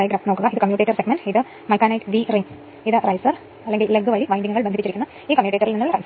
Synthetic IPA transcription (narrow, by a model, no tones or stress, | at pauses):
ɐjɡɾaːfnokːuɣɐiðɨkɐmjuːʈːeːʈːɐrseɡmenɖiðɨ | mɐjkːaːnɐjʈʋiriŋ | iðɨrɐjsɐr | ɐlːeŋɡilleɡɨʋɐɭiʋɐjndiŋːɡuɣɐɭbenʱpːit͡ɕːiɾikːunː | iːkɐmjuːʈːetːɐrilninːuɭːɐrɐjs